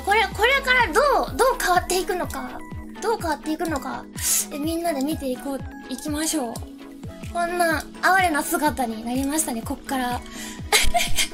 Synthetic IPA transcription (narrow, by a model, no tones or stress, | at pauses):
ko̞ɾe̞ko̞ɾe̞kaɾad̪o̞ːd̪o̞ːkaβat̪ːe̞ikɯ̟no̞kad̪̥o̞ːkaβat̪ːe̞ikɯ̟no̞ka̰emʲĩnːad̪e̞mʲit̪e̞iko | ikʲimaɕo̞ː | kõ̞nːa | aβaɾe̞nasɨɡat̪aɲ̟inaɾʲimaɕi̥t̪ane̞ko̞kːaɾa